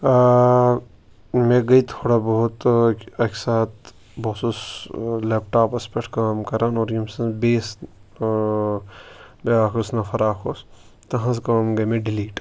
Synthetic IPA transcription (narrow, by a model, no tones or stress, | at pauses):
mẽɡɐit̪ʰoːɽabɐɦut̪ɐksaːt̪ | boːsusleːpʈaːpɐspekʈkaːmkɐɾaːnoːɾjimsɐ̃nbeːs | beaːkʰosnɐfʰɐɾaːkʰoːs | t̪ɐɦãskaːmɡɐjmẽɖɪliːʈ